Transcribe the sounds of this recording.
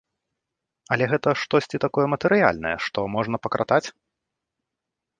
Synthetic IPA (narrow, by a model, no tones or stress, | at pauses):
ɐlʲɛɣɛt̪ɐʂt̪ɔsʲt͡sʲit̪akɔjɛmɐt̪ɨɾɨja̰lʲnɐ̰jɛ̰ʂt̪ɔmɔʐnɐpɐkɾʔa̰t̪at͡sʲ